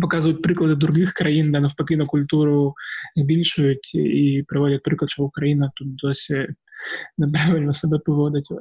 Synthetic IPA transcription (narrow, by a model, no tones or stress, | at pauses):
pɐkazɨvəjʊt̪̚pɾʲɨklˠɐd̪ɨd̪ɾʊɡʲixkɾɐind̪anɐfpɐkʲinɐkʊlʲt̪uɾʊzʲbʲilʲʂʊjʊt̪ipɾɐvodʲɐt̪̚pɾʲɨklˠɐt̪ʂt̪ɔbʊkɾɐinɐt̪ut̪̚d̪osʲɪ | nɐpɾavʲɪlʲnɐsɐbʲɛpɨvod̪ɐtʲ